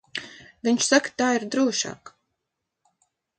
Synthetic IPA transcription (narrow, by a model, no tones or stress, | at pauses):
viɲʲt͡ʃsakt̪aːiɾd̪ɾuɔʃa̰ːk